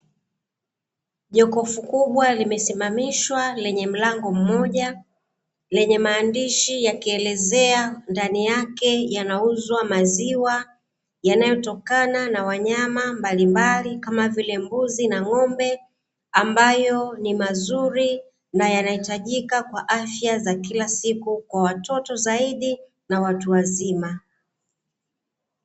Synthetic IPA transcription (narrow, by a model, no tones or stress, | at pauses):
ʄɔkɔfukuɓwalimɛsimamiʃwalɛɲɛm̩laŋɡɔm̩mɔʄa | lɛɲɛmaːndiʃijakiɛlɛzɛandanijakɛjanauzwamaziwa | janajɔtɔkananawaɲamambalimbalikamavilɛmbuzinaŋɔmbɛ | ambajɔnimazuɾi | najanahitaʄikakwaʔafjazakilasikukwawatɔtɔzaiɗi | nawatuwazima